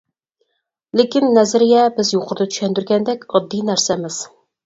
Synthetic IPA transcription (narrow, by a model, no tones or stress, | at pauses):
lɪkʲinːɛzɾɪjʲɛbɪzjoqʰʊɾd̪ɑt̪ʰy̥ʃɛnd̪yɾɡʲɛnd̪ɛkʲɑd̪ːijnæɾsɛmɪz̥